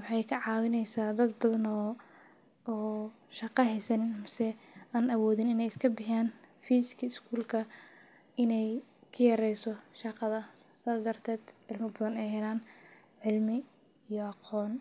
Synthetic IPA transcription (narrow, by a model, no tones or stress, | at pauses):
wɑħɑjkʰɐʕɑːwɪnɛjsaːd̪ɐd̪bɐðɐnɔː | ʃɐqɑɦɛjsɐnmsɛ | aːnɐwɔːðɪnɪnɛjɪskʰɐbɪħjaːn | fiːsɪ̥kʰɐɪskʰuːlkʰɐ | ɪnɛjkʰɐjɐɾɛjsɔʃɑqɑðɐsaːd̪ɐrt̪ʰɛːd̪ʕɪlmɪbɐðɐnɛjhɛlaːnʕɪlmɪijɔʔɑqɔːn